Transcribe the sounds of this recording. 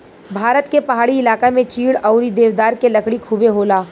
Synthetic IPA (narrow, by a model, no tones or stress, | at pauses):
bʱaːɾət̪kepɐɦaːɽiɪlaːkemẽt͡ʃiːɽɔːʊɾid̪eːʋd̪aːɾkelɐkɽikʰuːbeɦoːlaː